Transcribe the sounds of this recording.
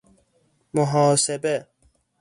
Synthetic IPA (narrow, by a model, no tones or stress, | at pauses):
moɦɑːsebe